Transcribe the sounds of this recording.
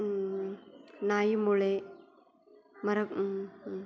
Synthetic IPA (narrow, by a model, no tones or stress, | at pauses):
naːjimuɭe | mɐɾɐkː